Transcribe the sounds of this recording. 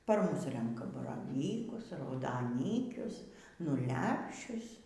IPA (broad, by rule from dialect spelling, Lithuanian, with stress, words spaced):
pɐr ˈmʊs ˈrʲɛŋkɐ bɐrɐˈʋʲiːkʊs rɐʊdɐˈnʲiːkʲʊs nʊ ˈlʲæːpʲʃʲʊs